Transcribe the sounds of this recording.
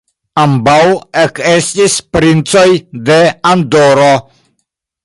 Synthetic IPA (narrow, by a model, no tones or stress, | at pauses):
ambawekest̪ispɾint͡sojd̪eand̪oɾo